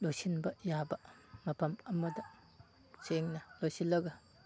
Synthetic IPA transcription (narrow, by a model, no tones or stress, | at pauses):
lojsinbɐjabɐmɐpʰɐmɐmɐdɐ | seŋnɐlojsilːɐɡɐ